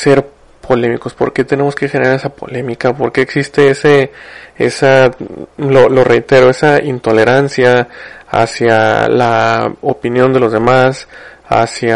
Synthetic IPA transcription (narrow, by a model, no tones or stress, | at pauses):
se̞ɾ | pʰo̞le̞miko̞spo̞ɾke̞t̪e̞ne̞mo̞skexeneɾaɾesapo̞̰le̞mikapo̞ɾke̞ːksist̪e̞eseḛsa | lolo̞re̞jt̪e̞ɾo̞e̞saint̪o̞le̞ɾansjaa̰sjalao̰pinjo̞nd̪e̞lo̞zðe̞masa̰sja